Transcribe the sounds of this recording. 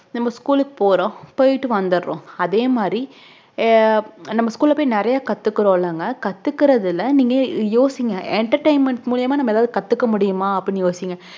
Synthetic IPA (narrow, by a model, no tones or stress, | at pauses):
nɐmːɐskuːlɯkːɯ̥poːɾõːpojɪʈːɯʋɐnd̪ɯɾɾõ̰ːɐðeːmaːd̪ɾi | nɐmːɐskuːlɐpoːjnɪɾɐjaːkɐt̪ːɯkːɯɾõːlaːŋɡɐkɐt̪ːɯkːɪɾɐðɪlɐniːŋɡɐjoːsɪŋɡɐɛɳʈɐɾʈɐɪmɐɳʈmʊɭɪjɐmaːnɐmːɐɛðaːðɯkɐt̪ːɯkːɐmʊɽɪjɯmaːɐpːɪnijoːsɪŋɡɐ